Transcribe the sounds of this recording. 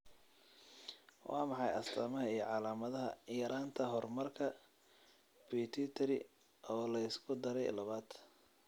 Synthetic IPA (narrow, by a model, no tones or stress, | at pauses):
wʔɑːmɑħɑjɐst̪ʰɐmɐhɐijɞʕɑlaːmɐðɐɦɐ̰jɐɾʔaːnt̪ʰɐɦɔrmɐrkʰɐ | bit̪ʰit̪ʰɐɾɪ | ʔɔːlɐɪskʰʊd̪ɐɾɛ̰jlɐβaːd̪̥